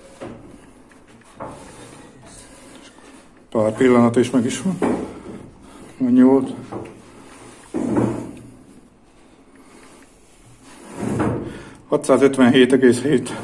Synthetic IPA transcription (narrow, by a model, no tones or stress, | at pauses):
paːrpilːɒnɒt̪iʃmɛɡiʃʋɒn | mɛɲoːt̪ | hɒt̪saːzøt̪ʋɛnɦeːt̪ɛɡeːsheːt̪